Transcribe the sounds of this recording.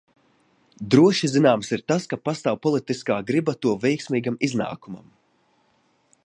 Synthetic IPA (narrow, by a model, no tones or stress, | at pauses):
d̪ɾuɔʃizinaːmsiɾt̪askapast̪awpɔlˠit̪iskaːɡɾibat̪uɔvɛjksmiːɡamizna̰ːkuma̰m